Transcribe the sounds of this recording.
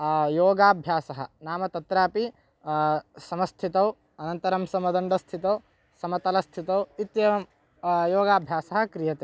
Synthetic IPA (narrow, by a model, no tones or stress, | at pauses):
joːɡaːbʱjaːsɐɦɐ̆naːmɐt̪ɐt̪ɾaːpi | sɐmɐst̪ʰit̪ɐw | ɐnɐnt̪ɐɾɐmsɐmɐd̪ɐɳɖɐst̪ʰit̪ɐw | sɐmɐt̪ɐlɐst̪ʰit̪ɐwit̪jɐʋɐm | joːɡaːbʱjaːsɐɦɐ̆kɾijɐt̪e